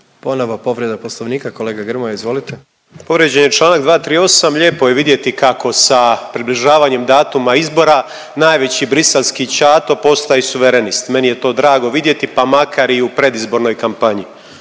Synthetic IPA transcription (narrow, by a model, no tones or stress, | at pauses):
po̞noʋapo̞ʋɾjed̪aposlˠoʋniːkakoleːɡaɡr̩mojaizʋo̞lit̪e | po̞ʋɾjed͡ʑenjet͡ʃlˠaːnaɡd̪ʋaːt̪ɾiːo̞samʎe̞ːpo̞je̞ʋid̪je̞t̪ikako̞sapɾibliʒaːʋaɲe̞md̪aːt̪umaizbo̞ɾa | naːjʋe̞t͡ɕibɾiselskit͡ɕaːt̪o̞po̞st̪ajisuʋeɾenist̪me̞nije̞t̪o̞ːd̪ɾaːɡo̞ʋid̪je̞t̪ipamakaɾiupɾe̞d̪izbo̞ɾno̞jkampaɲi